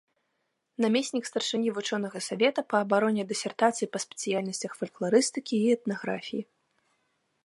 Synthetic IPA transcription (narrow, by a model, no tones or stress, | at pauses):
namʲesʲnʲikst̪ɐrʂɨnʲivut͡ʂɔnɐɣɐsavʲɛt̪ɐpɐːbaɾɔnʲɛd̪ɛsʲɛrt̪at̪sɨjipɐspʲɛ̥t̪sɨjalʲnɐsʲt͡sʲɐxfɐlʲklˠaɾɨst̪ɨkʲiːɛt̪naɣɾa̰fʲiji